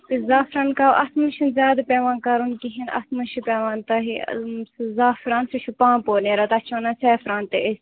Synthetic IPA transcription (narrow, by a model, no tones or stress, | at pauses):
t̪izaːfɾaːnkaːʋʔɐsmɐʃʰunzʲjaːd̪pʲeːʋaːnkaɾunkiɦinɐ̰smɐʃipeːʋaːnt̪ɐɦi | zaːfɾãːnsiʃʰupãːpoːneːɾɐt̪ɐt͡ʃʰaːnɐt͡sɛːfɾãːnt̪eʔes